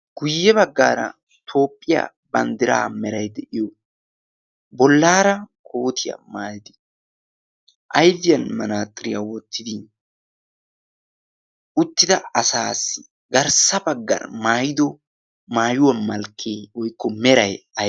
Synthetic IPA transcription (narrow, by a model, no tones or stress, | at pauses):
ɡ̥ʊjːɛbɐɡːa̰ːɾɐ̰ | t̪ʰo̞ːpʼːɪja̰ | bɐnd̪ɪɾa̰ːmɛɾɐjd̪ɛʔɪjɔ | bɔlːaːɾɐkʰo̞ːt̪ʰɪjɐ̰maːjd̪ɪ | ʔɐjvɪjɐnmɐnaːt̪ʼːɪɾɪjawɔt̪ʰːɪd̪ɪ | ʔʊt̪ːɪd̪ɐɐsaːsɪ̥ | ɡɐɾsɐbɐɡːɐ̰ɾmaːjɪd̪ɔ | maːjʊwɐmɐlkʰːeːwɔjkːɔmɛɾɐjɐ